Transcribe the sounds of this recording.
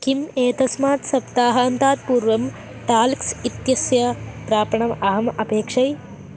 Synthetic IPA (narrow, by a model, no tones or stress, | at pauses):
kimeːt̪ɐsmaːt̪sɐpt̪aːɦɐːnt̪aːt̪̚puːɾʋɐm | t̪aːlksit̪jɐsjɐpɾaːpɐɳɐmɐɦɐmɐpeːkʂɐj